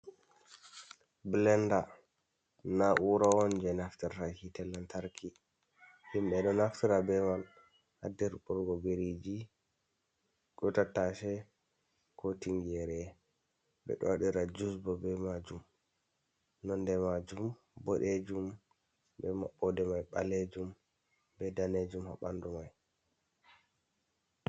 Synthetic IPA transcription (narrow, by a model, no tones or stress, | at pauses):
blɛnda | naʔuɾawɔnd͡ʒɛnaftiɾahitɛlːantaɾkʰi | himbɛɗɔnaftiɾabɛmal | hadɛɾbɔɾɡɔbeɾid͡ʒi | ɡɔtatːaʃɛ | kʰotimjɛɾɛ | bɛ̰ɗɔ̰waɗiɾad͡ʒusbɔbɛmad͡ʒum | nɔndɛmad͡ʒum | bɔɗed͡ʒum | bɛma̰ɓːɔdɛmajɓa̰led͡ʒum | bɛdaned͡ʒumha̰ɓandumaj